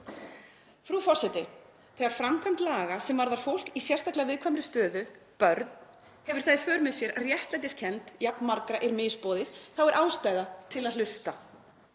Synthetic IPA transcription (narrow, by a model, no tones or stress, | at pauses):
fɾufɔr̥sɛt̪ɪ | θʰɛɣaɾ̥fɾamkʰan̥t̪laːɣasɛmvaɾðaɾ̥fowl̥kisjɛ̥st̪ahklɪavɪðkʰvamɾɪst̪œːðʏ | pœɾt̪n̥ | hɛvʏɾ̥θaðɪfœːɾʏmɛðsjɛɾarjɛht̪lajt̪̬ɪscʰɛnt̪japnmaɾkɾaʔɛɾmɪːspɔːðɪðθawɛɾʔaːwst̪aːjðat̪ʰɪlaðlʏst̪a